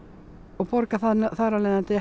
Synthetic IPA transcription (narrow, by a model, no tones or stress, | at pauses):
ɔɣpɔɾkaθanθaɾalɛːðant̪ɪ